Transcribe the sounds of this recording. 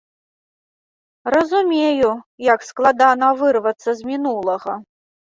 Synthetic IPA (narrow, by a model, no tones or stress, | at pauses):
rɐzumʲejujɐksklˠad̪anɐvɨrvɐt̪sːɐzmʲinulˠɐɣɐ